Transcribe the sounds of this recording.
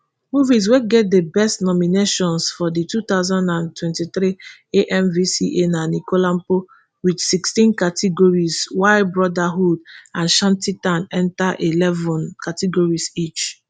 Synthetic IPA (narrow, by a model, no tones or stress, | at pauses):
muvis̬weɡɛt̚debɛstnɔmineʃɔ̃nsfɔditut̪aʊzãndãntwɛ̃ntit̪ɾieʔɛmvisiʔenanikolãm̩po | wit͡ʃsikstĩnkatʰiɡɔɹiswaɪtbɹɔdaɦudãnʃãntitãnɛ̃ntaʔilɛvɔ̃nkatiɡɔɹisit͡ʃ